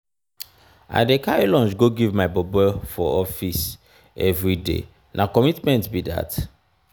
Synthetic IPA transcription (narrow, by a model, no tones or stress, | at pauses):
a̰ɪdekaɹelɔ̃nd͡ʒɡoɡivmaɪbɔbɛfɔɔfis | ɛvɹidḛ | nʔakɔmitmɛ̃ntbida̰t